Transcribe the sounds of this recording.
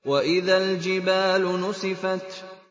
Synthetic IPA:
waʔɪðald͡ʒɪbaːlʊnʊsˤɨfat̪

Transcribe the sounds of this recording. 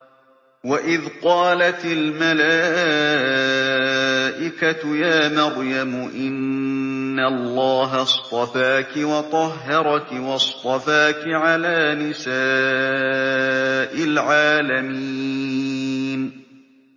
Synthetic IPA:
waʔɪðqɑːlat̪ɪlmalaː | ʔɪkat̪ʊjaːmaɣjamʊʔɪnː | allˤːɑːɦast̪ˤɑfaːkɪwɑt̪ˤɑɦːɑɾˤɑkɪwɑst̪ˤɑfaːkɪʕalaːnɪsaː | ʔɪlʕaːlamiː | n

